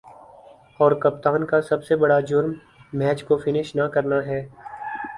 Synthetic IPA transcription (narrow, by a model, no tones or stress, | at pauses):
ɔːɾkɐp̚t̪aːnkasɐbsebɐɽad͡ʒʊɾmː | ɛːt͡ʃkofɪnɪʃnakɐɾnaɦɛː